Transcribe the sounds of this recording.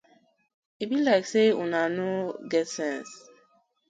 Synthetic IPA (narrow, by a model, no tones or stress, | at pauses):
ibilaɪkseṵnanoɡɛtsɛ̃ns